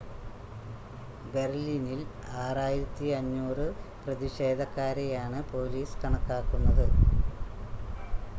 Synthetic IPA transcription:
be̞rliːnil | aːraːjiɾɐt̪ːiɐɲːuːrɨprɐðiɕe̞ːd̪ʱɐkːaːɾejaːɳɨpo̞ːliːskɐɳɐkːaːkːunːɐðɨ

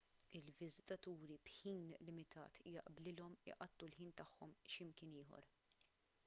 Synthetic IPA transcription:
ɪlvɪzɪt̪ɐt̪uːɾibħiːnlɪmɪt̪ʰɐ̰ːt̪jɐ̰ʔblɪlɔmɪ̰ʔɐt̪ːulħiːnt̪ɐħːɔmʃɪmkɪnɪːɦɔ̰ɾ

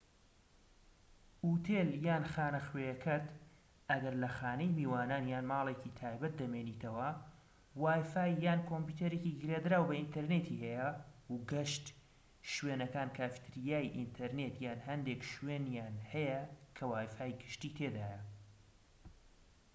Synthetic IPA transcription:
ʔuːt̪ʰeːljaːnxaːnɐxweːjɛkʰɐt̪ | ʔɐɡɐɾlɐxaːnejmiːwaːnaːnjaːnmaːlˠeːcit̪ʰaːjbɐt̪̚d̪ɐmeːniːt̪ʰɐwɐ | waːjfaːjːaːnkʰomput̪ʰɐɾeːciɡɨɾeːd̪ɾaːwbɐint̪ɐɾneːt̪ʰiːhɛjɐuɡɐʃt̪ | ʃweːnɐkaːnkʰaːfi̥t̪ɾijaːjʔint̪ʰɐɾneːt̪jaːnɦɐnd̪eːkʃweːnjaːnhɐjɐkʰɐwaːjfaːjɡɨʃt̪iːt̪ʰeːd̪aːjɐ

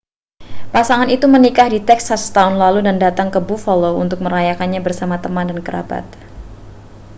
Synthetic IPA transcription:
pasaŋanit̪umənikahdit̪ɛksast̪aʊnlaludandat̪aŋkəbufoloṵnt̪ʊk̚məɾajakanɲabərsamat̪əmandankəɾa̰ba̰t̪̚

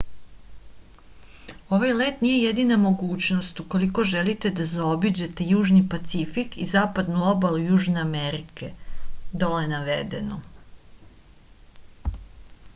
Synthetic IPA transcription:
o̞ʋajle̞ːt̪nije̞je̞d̪inamo̞ɡuːt͡ɕno̞st̪uko̞liko̞ʒe̞lit̪e̞d̪azao̞bid͡ʑe̞t̪e̞juːʒnipat̪sifikizaːpad̪nuo̞balujuːʒne̞ame̞ɾike̞d̪oleenaʋḛd̪e̞no

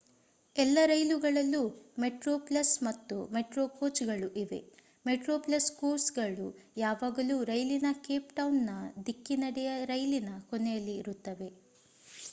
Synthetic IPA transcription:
ɛlːɐɾɐjluɡɐɭɐlːumeʈɾoːplɐsmɐt̪ːumeʈɾoːkoːt͡ʃɡɐɭuʔiʋe̞̰ | meʈɾo̞ːplɐskoːsɡɐɭujaːʋaːɡɐluːɾɐjlinɐkeːpʈɐwnːɐd̪ikːinɐɽɛjɐɾɐjlinɐkonɛjɐlːiːɾut̪ːɐʋe̞

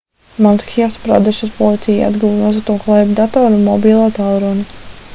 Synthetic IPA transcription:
mant̪kift̪pɾa̰d̪ɛʃuspɔlˠit̪sʲija̰d̪ɡuvnɔzat̪uːklˠɛjbd̪at̪ɔːɾunmɔbiːlˠaːt̪alˠɾɔni

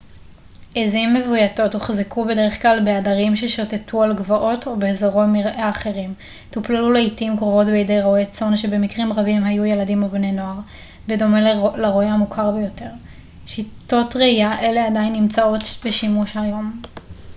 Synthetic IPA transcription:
ezimːevujato̞tuχzekʰube̞deʁeχklalbe̞adaʁimʃeʃotetʰualɡvaʔo̞to̞beːzaʁotmiʁʔeaχe̞ʁim | tuplaluleitimkʁovo̞tbeidejʁoojat͡so̞nʃe̞be̞mikʁimʁabimhajujeladimobne̞no̞aʁ | bedo̞melaʁoehamukʰaʁbejo̞te̞ʁ | ʃito̞tʁeijaʔe̞le̞adainːimt͡sao̞tbeʃimuʃhajo̞m

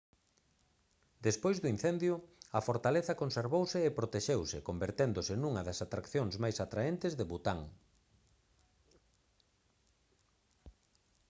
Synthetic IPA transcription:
d̪espojzðʊin̟θend̪jʊɐfoɾt̪aleθɐkonseɾβowsɪːpɾot̪eʃewsɪkombeɾt̪end̪ʊsɪnuŋɐðɐsat̪ɾakθjoŋszmajsat̪ɾaent̪ɪzðeβut̪aŋ

